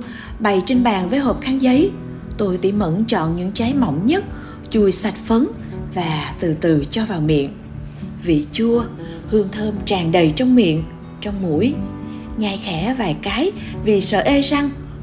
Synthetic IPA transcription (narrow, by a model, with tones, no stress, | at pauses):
ɓa˨˩jt͡ɕe˧nɓaː˨˩nvəː˨˦jɦo˨˩p̚xaː˨˦nzə˨˦j | t̪o˧jt̪ḭ˧˩mə̰˧˥nt͡ɕɔ̰˧˨nɲɨ̰˧˥ŋt͡ɕa˨˦jmɔ̰˧˨wŋ͡mɲə˦˥t̚ | t͡ɕu˧˩jsa˨˩jt̚fə˨˦n | vaː˨˩t̪ɨ̰˧˨t̪ɨ˨˩t͡ɕɔ˧vaː˨˩wmḭ˧˨ən | vḭ˧˨t͡ɕu˧ə | hɨ˧əŋt̪ʰəː˧mt͡ɕaː˨˩ŋɗə˨˩jt͡ɕɔ˧wŋ͡mmḭ˧˨ən | t͡ɕɔ˧wŋ͡mmṵ˧˩˥əj | ɲa˧˩jxɛ˧˩˥vaː˨˩jkaː˨˦jvi˨˩sə̰ː˧˨ʔe˧za˧ŋ